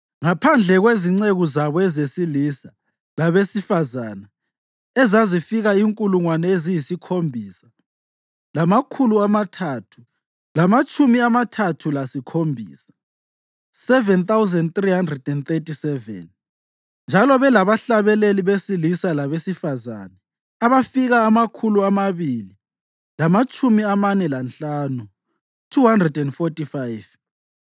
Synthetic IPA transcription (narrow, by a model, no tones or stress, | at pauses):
ŋapʰand͡ɮʱɛɣweziŋ͡ǀeɣuzaβɔɛzesilisa | laβesifazaːna | ɛzazifiɣaiŋkʼuluŋwanɛezijisikʰombʱiːsa | lamakʰuluamatʰatʰu̥ | lamat͡ʃʼumiamatʰatʰulasikʰombʱḭːsḁ | sɛvɛnθawuzɛndt̪rihandrɛdɛnt̪etisɛvɛ̰n | nd͡ʒʱalɔβɛlaβaɬaβɛleliβesilisalaβesifaza̰nɛ | aβafiɣaːmakʰuluamaβili | lamat͡ʃʰʼumiamanɛlanɬaːnu | tʰuhandrɛdɛndfɔtʼifajv